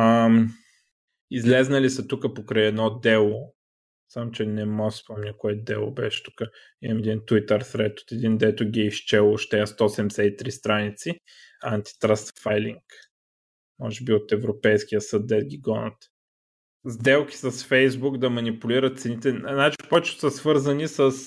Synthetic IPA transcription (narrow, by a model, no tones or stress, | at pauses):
əm | izlɛznɐlisət̪ukəpokɾəjɛd̪nɔd̪ɛlˠo | samot͡ʃɛnɛmɔɡsspɔmnʲɐkoɛd̪ɛlˠo̰bɛʃɛ̥t̪ukə | imɐmɛd̪int̪wit̪əɾsɾɛt̪o̥t̪ɛd̪ind̪ɛt̪ʊɡʲiɛiʃt͡ʃɛlˠoʃt̪ɛəst̪ɔsɛmsɛt̪it̪ɾist̪ɾanit̪si | ant̪i̥t̪ɾast̪fajlʲiŋk | mɔ̰ʒɛbiot̪ɛvɾopɛjskʲijəsəd̪̚d̪ɛt̪̚ɡʲiɡɔnɐt̪ | zd̪ɛlˠkʲi̥səsfɛjzbukd̪ɐmɐnipʊliɾət̪t̪sɛnit̪ɛnat͡ʃi̥pɔt͡ʃʊ̥sɐsvɤɾzənisəs